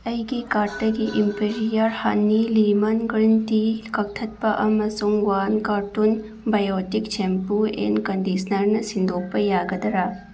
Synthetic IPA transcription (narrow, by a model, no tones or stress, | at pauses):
ɐjɡikaːɾʈɐɡiʔimpeɾijɐɾhanːilimɐnɡɾint̪ikɐk̚t̪ʰɐt̪̚pɐʔɐmɐsuŋwaːnkaːɾʈun | bɐjoːt̪ikt͡ʃʰempuḛnkɐndisnɐɾnɐsind̪oːpɐjaːɡɐd̪ɐɾa